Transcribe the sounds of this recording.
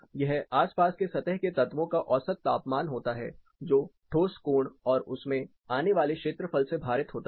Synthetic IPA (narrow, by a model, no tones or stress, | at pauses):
jɐɦaːspaːskesɐt̪əɦket̪ɐt̪ʋõkaʔɔːsət̪ːaːpmaːnɦoːt̪aɦɛ̰ː | d͡ʒoːʈʰoːskuːɳɔːɾʊsmẽ | aːneʋaːlekʃeːt̪ɾəfʰəlsebʱaːɾɪt̪ɦoːt̪a